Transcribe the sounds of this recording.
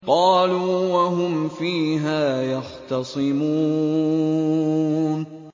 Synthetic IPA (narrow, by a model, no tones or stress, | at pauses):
qɑːluːwaɦʊmfiːɦaːjɑxt̪ɑsˤɨmuː | n